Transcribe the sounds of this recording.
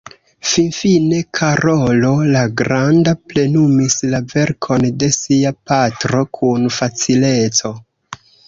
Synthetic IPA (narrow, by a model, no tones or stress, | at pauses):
finfine̞kʰaɾo̞lo̞laɡɾandaple̞numislave̞ɾkʰo̞nde̞siapatɾo̞kʰunfat͡sile̞t͡so̞